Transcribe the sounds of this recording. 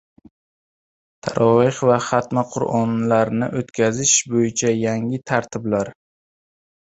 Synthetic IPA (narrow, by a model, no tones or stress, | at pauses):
t̪ʰaɾʔɒɪχvaχat̪maqʰʊɾʔɒnlaɾnɪ̰ʔot̪kʲʰazɪʃbojɪt͡ʃʰajaŋɪt̪ʰaɾt̪ʰɪblaɾ